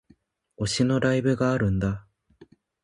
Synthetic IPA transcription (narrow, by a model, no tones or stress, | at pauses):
o̞ɕino̞ɾaibɯ̟ɡaːɾɯ̟̃nd̪a